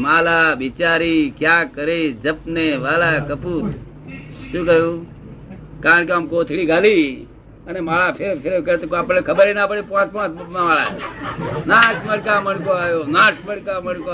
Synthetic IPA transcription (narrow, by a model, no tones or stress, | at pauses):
maːlaːbit͡ʃaːɾiːkjaːkəɾeːd͡ʒəpneːʋaːlaːkəpuː | ʃũːkəjũː | kaːɾəɳ̃k̬eaːmkoːt̪ʰiɭiːɡʱaːliː | ənemaːlaːpʰeɾpʰeɾkət̪okaːpɽekʰəbəɾeːnaːpəɽiːpãːt̪̚pãːt̪mamaːɭaː | naːʃməɽkaːməɳkoaːjoːnaːʃməɽkaːməɳko